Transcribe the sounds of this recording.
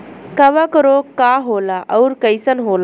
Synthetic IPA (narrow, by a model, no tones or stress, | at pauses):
kaʋakəɾokaɦolaʔəwɾkəjsənɦol